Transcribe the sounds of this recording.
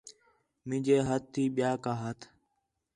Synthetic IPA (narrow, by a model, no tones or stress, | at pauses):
mɪ̃ːd͡ʒeːɦət̪̚ʰːiːɓɪjaːkaːɦət̪ʰ